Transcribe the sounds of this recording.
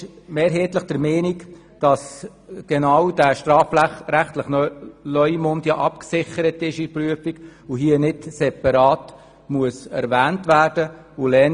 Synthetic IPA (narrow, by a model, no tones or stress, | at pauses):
mɛːɾɦeːtləχd̥əɾmɛːnik | d̥ɑs | ɡ̥ɛnɑwd̥æʃtɾɑːfɾæχtləχlœʏjmʊndjɑʔɑpksɪχəɾətɪʃipryəfiɡʊɦiənɪtsɛpɑɾɑːt | muəsɛ̰ɾvæːntvæːɾd̥ə | ʊlɛn